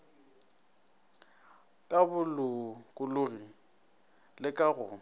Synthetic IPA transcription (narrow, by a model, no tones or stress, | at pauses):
kʼabʊlʊkʼʊlʊɣi | lɪkʼaɣʊ